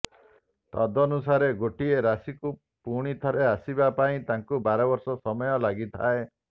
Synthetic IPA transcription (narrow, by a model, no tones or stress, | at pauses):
t̪a̰d̪ɔnusaɾeɡoʈieɾasiku | puɽ̃it̪ʰɔɾeasibapaĩt̪aŋkubaɾɔbɔɾsɔsɔmɔjɔlaɡit̪ʰae